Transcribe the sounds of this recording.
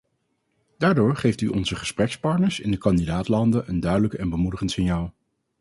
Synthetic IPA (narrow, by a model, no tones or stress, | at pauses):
d̥aːɹdʊːɹχejftyʔɔnzəχəsprɛkspɑɹtnəɹsɪndəkɑndidaːtlɑndəʔəndœɥdələkɛnbəmudəχəntsɪnjaːlˠ